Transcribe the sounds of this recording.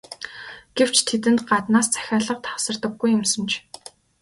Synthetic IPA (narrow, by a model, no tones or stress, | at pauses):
ɡ̥ew̥t͡ɕʰt̪ʰet̪ɘ̆nt̪ɢat̪naːst͡sʰæ̥xʲaːɮə̆q̚t̪ʰḁwsə̆rt̪ə̆ɡːujɵ̆msə̆nt͡ɕ